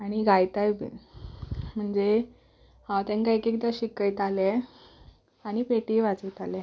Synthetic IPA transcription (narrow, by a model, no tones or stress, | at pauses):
aɽ̃iɡajt̪ajbḭn | m̤əɳd͡ze | hawt̪ɛ̃nkajkek̚d̪aɕikəjt̪ale | aɽ̃ipeʈiːʋat͡səjt̪ale